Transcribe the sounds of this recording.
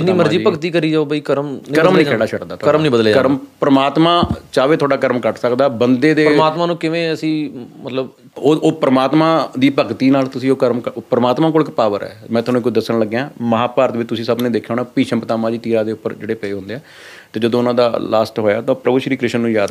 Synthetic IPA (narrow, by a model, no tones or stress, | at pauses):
niːməɾd͡ʒiːpəkt̪iːkəɾiːd͡ʒaoːbəiːkəɾmkəɾəmnĩːɛːɽaːʃʰəʈd̪aːt̪ʰːəɾmnĩːbəd̪lːkəɾmpɾəmaːt̪mãːt͡ʃaːʋeːt̪ʰoːɖaːkəɾmkəʈsəkd̪aːbənd̪eːd̪eːɾmaːt̪maːnũːkɪʋẽːəsĩːmət̪ləb | oːoːpɾəmaːt̪mãːd̪iːpəkt̪iːnaːlt̪ʊsĩːoːkəɾmkəpɾəmaːt̪mãːkoːlkpaːʋəɾɛ̰ːmɛ̃ːt̪ʰːnũkʊt͡ʃd̪əsːəɳləɡːejãːməɦaːpaːɾət̪ʋɪt͡ʃt̪ʊsĩːsəbnẽːd̪eːkʰːjoːñaːpiːʃəmpət̪aːmãːd͡ʒiːt̪iːɾaːd̪eːʊpːəɾd͡ʒeːɽeːpəeːɦʊ̃nd̪eːɛː | t̪eːd͡ʒəd̪õːʊnãːd̪aːlaːsʈɦoːjaːt̪ãːpɾəbʊʃɾiːkɾɪʃənːũːjaːd̪